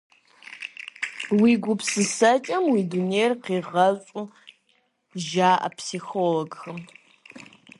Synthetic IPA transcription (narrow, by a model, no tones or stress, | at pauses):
wiːɡʷʊpsɨsɐt͡ʃʼɐmwiːduneːjrqiːʁɐɕʷʼʊ | ʒaːʔɐ̰pʰsixoːloɡxɨm